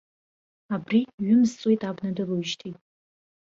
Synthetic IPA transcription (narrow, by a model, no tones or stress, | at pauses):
abriɥʏmzt͡sʼwojtʼabnadɨruʃtʰitʼ